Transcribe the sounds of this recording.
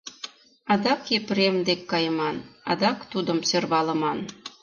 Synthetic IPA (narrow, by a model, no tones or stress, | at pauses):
ɑd̪ɑkepɾemd̪ekːɑjəmɑnɑ̰d̪ɑkt̪ud̪əmsørβɑlə̆mɑn